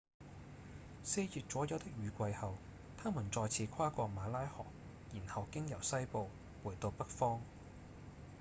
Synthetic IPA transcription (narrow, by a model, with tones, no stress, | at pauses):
se˧jjyː˨t̚t͡sɔː˨˥jɐ˨˧˥wt̪ɪ˥k̚jɥyː˨˧kʷɐ˧jhɐ˨w | t̪ʰaː˥mu˨˩nt͡sɔː˧jt͡sʰiː˨˧kʷʰwaː˥kʷɔː˧maː˨˧laː˥jhɔ̰ː˨˩k̚ | jiː˨˩nhɐ˨wkɪ˥ŋjɐ˨˩wsɐ˥jpo˧w | wuː˨˩jt̪o˧wpɐ˥k̚fɔː˥ŋ